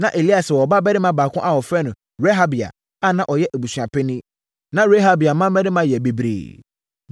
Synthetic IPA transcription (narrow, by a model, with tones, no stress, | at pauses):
nã˨ʔe˨li˦a˨sɛ˨wɔ˨ba˦bɛ˦dɪ˦mã˦baː˨kʰʊ̃˦ʔa˨wɔ˨fɛ˦nʊ̃˨ | ɾe˦ɦa˦bi˨a̰˨ | a˦nã˦ʔɔ˨jɛ˦ʔæ˨bu˨sɥa˨pʰɛ˦nĩ˦ | nã˦ɾe˦ɦa˦bi˨a˨mã˦ɛ˦dɪ˦mã˦jɛ˨be˨bɾḛ˨